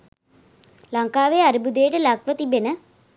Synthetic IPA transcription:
lɐŋkaːʋeːaɾibud̪ejəʈəlɐkʋət̪ibenə

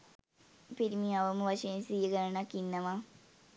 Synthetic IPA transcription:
piɾimiaʋəməʋaʂɐjensijəɡəɾɐnakːinːəʋa

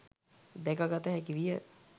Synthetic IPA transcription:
d̪ɛkaɡat̪əɦɛkiʋijə

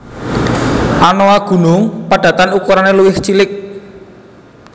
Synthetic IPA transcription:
ʔanoaɡ̥ṳnʊŋpaɖ̥ä̤t̪anukuɾaneluwɪht͡ʃilɪk̚

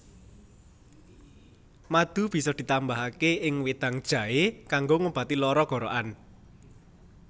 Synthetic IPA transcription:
mad̪̥ṳb̥i̤sɔd̪̥i̤t̪ambaɦakeɪŋwed̪̥a̤ŋd̥ʒ̥ä̤ekaŋɡoŋub̥a̤t̪ilɔɾɔɡ̥ɔ̤ɾɔ̰ʔan

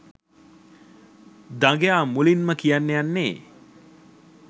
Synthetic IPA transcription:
d̪aŋɡejaːmulinməkijanːejanːeː

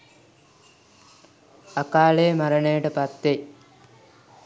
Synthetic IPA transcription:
akaːlejmaɾəɳejəʈəpat̪ːe

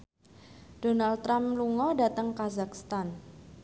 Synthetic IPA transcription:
d̥onalt̪ːɾamluŋɔdat̪əŋkazakst̪an

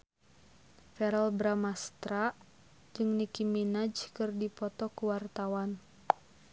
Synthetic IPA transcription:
fɛɾalbɾamast̪ɾaʔ | d͡ʒɨŋnikiminad͡ʒkɨrdipɔt̪ɔkuwart̪awan

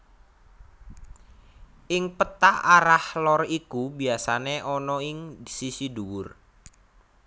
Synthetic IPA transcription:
ʔɪŋpət̪aaɾahlɔrikubiasaneʔɔnɔɪŋsisiduwʊr

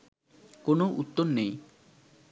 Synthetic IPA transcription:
konoʔut̪ːonːej

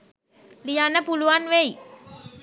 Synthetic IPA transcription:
lijanəpuluʋanʋej

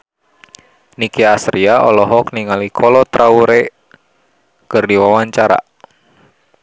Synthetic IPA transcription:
nikɛasɾiaʔɔlɔɦɔkniŋalikʰɔlɔt̪ɾauɾɛ | kɨrdiwawaɲt͡ʃaɾa̰

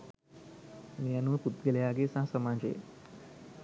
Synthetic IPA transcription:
njanũːt̪ut̪̚ɡeljaɡesãɦsəmãd͡ʑḛ

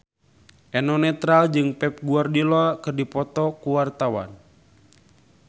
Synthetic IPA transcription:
ʔɛnɔnɛt̪ɾald͡ʒɨŋpɛp̚ɡuardilɔakɨrdipɔt̪ɔkuwart̪awa̰n

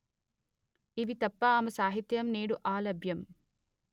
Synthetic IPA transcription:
iʋit̪ɐpːɐaːmɐsaːɦit̪jɐmneːɽuʔaːlɐbʱjɐm

